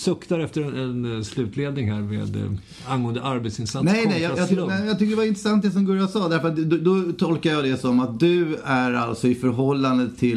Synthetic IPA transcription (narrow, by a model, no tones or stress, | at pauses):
sɵkt̪aɾɛft̪əɾɛnslʉ̟ːt̪leːd̪nɪŋɦæːɾmḛːd̪ | anɡoːənd̪əʔaɾbet̪sɪnsat̪nɛjnɛjɑjɑt̪ɛjɑːt̪ʏkːəɖ̪ɛvaɪnt̪ɾəsant̪̚d̪ɛs̬ɔmɡɵɾjasɑːd̪æɾfœɾat̪d̪d̪ɔt̪ʰɔlkajɑːd̪ɛsɔmat̪̚d̪ɵæɾa̰lt̪sɔɪfœɾɦɔlːand̪ət̪ʰɪl